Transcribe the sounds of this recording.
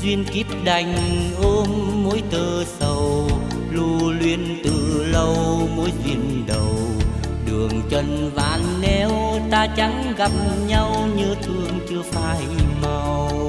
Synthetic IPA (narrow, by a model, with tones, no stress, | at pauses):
zwi˧ənki˦˥p̚ɗa˨˩jŋ̟ʔo˧mːo˨˦jt̪əː˧˩sə˧˩w | lu˧lwi˧ənt̪ɨ˨˩lə˧wmo˨˦jzwi˧ən | ɗə˨˩w | ɗɨ˨˩əŋt͡ɕə˧nvaː˨˩nːɛ˧˩wt̪aː˧t͡ɕa˨˦ŋ | ɣa˨˩p̚ɲa˧wɲɨ˧t̪ʰɨ˧˩əŋt͡ɕɨ˧əfaː˧jma˧˩w